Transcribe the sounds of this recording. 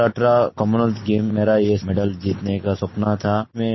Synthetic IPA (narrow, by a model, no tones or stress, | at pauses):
aʈɾakɔmunəltɡeːmːeːɾajemeɖəld͡ʒiːt̪nekasʊpnat̪ʰaːmẽ